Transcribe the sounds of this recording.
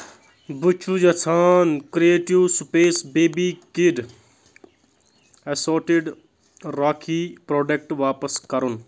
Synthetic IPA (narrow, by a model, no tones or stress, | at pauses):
but͡ʃʰud͡ʒɐt͡sʰaːnkɾieːʈiwsupeːsbeːbiːkiɖ | ɐsoːʈiɖ | ɾaːkʰiːpɾoːɖek̚ʈʋaːpəskɐɾun